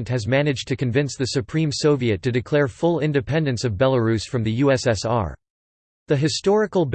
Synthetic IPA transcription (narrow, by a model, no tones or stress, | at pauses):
ntʔ̚hɨzmænɨd͡ʒtʰɨkɨ̃ɱvɪ̃nsðɨsɨpʰɹ̥ĩmsoʊviɨtʰɨdɨkʰl̥ɛɹfʊlˠɪ̃ndɨpʰɛ̃ndɨ̃nsʌvbɛlˠəɹʉsfɹʌ̃mðɨjʉɛsɛsɑ̰ɹ | ðɨɦɨstɔɹɨkl̩ˠb